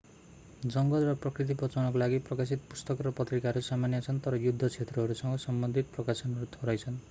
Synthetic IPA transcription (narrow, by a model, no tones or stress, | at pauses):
d͡ʒʌŋɡɔlrʌprɔkɾit̪̬ipɔt͡sawnɔk̬olaɡiprɔkas̬it̪pust̪ɔkɔɾɔpʌt̪ɾikaɾusamanjʌt͡sʰʌnt̪ʌɾɔjud̪ʱːɔt͡ʃʰet̪ɾɔɦːɾusʌŋɡɔsʌmbʌnd̪ʱit̪ɔprɔkasɔnɾut̪ʰoɾajt͡sʰʌn